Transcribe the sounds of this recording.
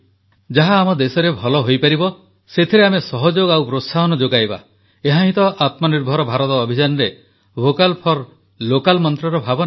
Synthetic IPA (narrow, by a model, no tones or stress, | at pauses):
d͡ʒaɦaːmɔd̪esɔɾebʱɔlɔɦojpaɾibɔ | set̪ʰiɾeamesɔɦɔd͡ʒoɡawpɾosaɦɔnɔd͡ʒoɡajba̰ | eɦãɦĩt̪ɔʔat̪mɔniɾbʱɔɾɔbʱaɾɔt̪ɔːbʱid͡ʒanɔɾe | bʱokalpʰɔɾ | lokalmɔnt̪ɾɔɾɔbʱabɔna